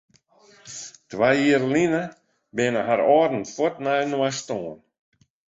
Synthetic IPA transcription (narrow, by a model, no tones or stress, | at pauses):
t̪ʰvajiɾliːna | beːnaɦaɾɔɾn̩fɔt̪nanuast̪ɔːn